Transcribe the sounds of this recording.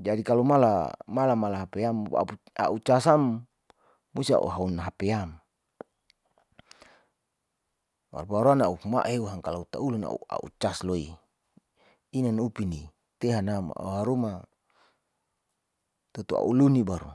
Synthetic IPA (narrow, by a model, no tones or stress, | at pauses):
d͡ʒadikalomala̰malamalaɦapeama̰ | a̰ut͡ʃasamː | usia̰ʔṵɦaunaɦapeam | wa̰rbaɾuanauma̰ʔeuɦaŋkalaut̪auluna̰ṵa̰ʔṵt͡ʃasloi | inanupini | t̪eɦanam̰a̰uɦaɾuma | t̪ut̪ua̰ʔulunibaɾu